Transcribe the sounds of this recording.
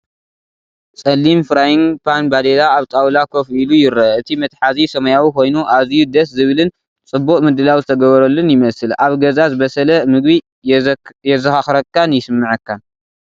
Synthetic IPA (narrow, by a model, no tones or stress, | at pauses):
sʼɐlːimfɨɾajiŋpʰanbad̪elaːβt̪ʼawlakʰo̞filujɪɾɐɨt̪ʰimɐt̪ʼħazisɐmɐjawikʰo̞jnuʔazijud̪ɐszɨβɨlɨn | t͡sʼɨbːukʼmɨd̪ɨlawzɨt̪ʰɐɡɐβɐɾɐlːɨnjɪmɐsɨlʔaβɡɐzazɨβɐsɐlɐmɨɡ̚bi | jɛzɐxaxɾɐkːanjɪsɨmːɨʕɨkːan